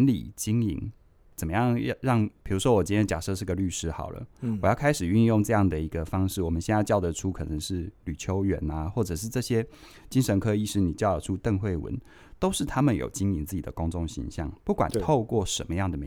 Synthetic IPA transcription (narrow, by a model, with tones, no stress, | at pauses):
nlḭ˨˩t͡ɕi˦˥ŋḭ˧˥ŋ | t͡sə˨˩mə˦jɑ˥˩ŋ˥˧ɻɑ˥˩ŋpʰi˨˩ɻu˧˥ʂwɔ˦˥wɔ˨˩t͡ɕi˥nʰjt͡ɕja̰˨˩ʂɤ˥˧ʂɻ̩˥˩˧ɡə˨ly˥˩ʂɻ̩˥xɑ̰˨˩ʊlə̰˦wɔ˨jɑ˥˩ʊkʰa˥ɪʂɻ̩˨˩y˥˧njʊ˥˧ŋʈ͡ʂɤ˥˧jɑ˥˩ŋd̪ə˩i˧˥ɡə˧fɑ˥ŋʂɻ̩˥˩wɔ˨˩mə˦nɕjɛ˥˧na˥˧ɪt͡ɕjɑ˥˩ʊdə˧ʈ͡ʂʰu˥kʰɤ˨˩nə˧˦ŋʂɻ̩˥˩ly˨˩t͡ɕʰjo˦˥ʊɥɛ̰˧˦na˨˦xwɔ˥˩ʈ͡ʂɤ˨˩ʂɻ̩˥˧ʈ͡ʂɤ˥˧ɕjɛ˥ | t͡ɕi˦˥ŋʂə˧˥nkʰɤ˦i˥˩ʂɻ̩˥ni˨˩t͡ɕjɑ˥˩ʊə˨˩ʈ͡ʂʰu˦˥t̪ə˥˧ŋxwe˥˩ɪwə̰˧˦n | t̪o˥ʊʂɻ̩˥˩t̪ʰa˥mə˨njo̰˨˩ʊt͡ɕi˦˥ŋi˧˥nt͡sɹ̩˥˩t͡ɕi˨˩d̪ə̰˦kʊ˥ŋʈ͡ʂo˥˨˩ŋɕḭ˧˥ŋɕjɑ̰˥˩ŋpu˥˩kwa̰˨˩nt̪ʰo˥˧ʊkwɔ˥˩ʂə˧˥nmə˦jɑ˥˩ŋd̪ə˩me˧